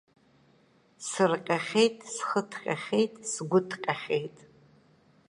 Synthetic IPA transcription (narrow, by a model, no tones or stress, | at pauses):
sɨrqʲʼaχʲejtʼsχətʰqʲʼa̰χʲejtʼsɡʷʊtʰqʲʼaχʲejtʼ